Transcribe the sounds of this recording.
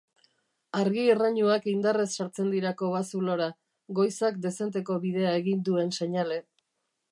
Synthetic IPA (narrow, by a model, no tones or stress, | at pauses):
aɾɣiːraɲuakind̪aresːaɾt͡se̞nd̪iɾako̞βasulo̞ɾa | ɡo̞jsakd̪e̞se̞nt̪̬e̞ko̞βið̞e̞ae̞ɣind̪ue̞nse̞ɲale̞